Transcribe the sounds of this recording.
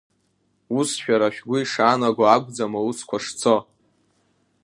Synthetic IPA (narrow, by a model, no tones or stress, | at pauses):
usʃᶣaɾaʃᶣɡʷʊiʂaːnaɡʷaːɡʷʼd͡zamauskʷʰaʂt͡sʰo